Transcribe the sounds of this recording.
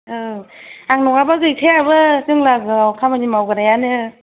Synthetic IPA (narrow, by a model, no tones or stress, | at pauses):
ɯaŋnɔkabaɡɯjkʰejabɯtɯŋlaɡɯwkʰamanimawɡɯɾajanɯ